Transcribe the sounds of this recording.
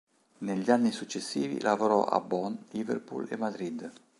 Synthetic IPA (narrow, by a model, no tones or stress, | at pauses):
neʎːanːisut͡ʃːesːiːvḭlʔavoɾɔʔa̰bːɔnlivḛrpṵlḛmad̪ɾid̪